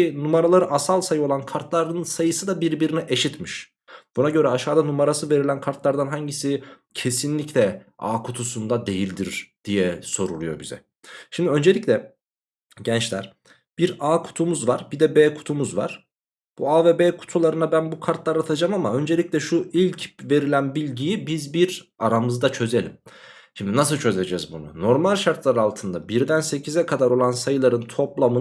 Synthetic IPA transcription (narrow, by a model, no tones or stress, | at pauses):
inumaɾalˠaɾɯʔasalˠsajɯolˠankʰaɾt̪lˠaɾd̪ɯnsajɯsɯd̪abiɾbiɾinɛʔeʃit̪miʃ | b̥unaɟø̞ɾɛaʃaːd̪anumaɾasɯve̞ɾilʲænkʰaɾt̪lˠaɾd̪anɦaɲɟisicʰe̞sinlʲiclʲɛ | a̰ːkʰut̪ʰusund̪ad̪e̞jilʲd̪iɾd̪̥ijɛso̞ɾṵlˠujobizɛ̰ | ʃimd̪iø̞nd͡ʒe̞lʲicʲlʲɛ | ɟɛnt͡ʃlʲæ̰ɾ̥ | b̥iɾaːkʰu̥t̪ʰumuzvaɾbid̪ɛbeːkʰu̥t̪ʰumuzva̰ɾ̥ | b̥uaːvebeːkʰu̥t̪ʰulˠaɾɯnabænbukʰaɾt̪lˠaɾat̪ʰad͡ʒamamaø̞nd͡ʒe̞lʲiclʲɛʃuilʲcve̞ɾilʲænbilʲɟijibizbiɾ | aɾamɯzd̪at͡ʃʰø̞ze̞lʲim | ʃimd̪inas̬ɯlˠt͡ʃʰø̞ze̞d͡ʒɛzbunṵno̞ɾmalʲʃaɾt̪lˠaɾɯalˠt̪ʰɯnd̪abiɾd̪ænse̞cʰizɛkʰad̪aɾo̞lˠansajɯlˠaɾɯnt̪ʰo̞plˠamɯ